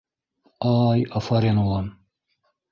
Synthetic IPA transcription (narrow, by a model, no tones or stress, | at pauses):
aːjɐfɐɾenwɐn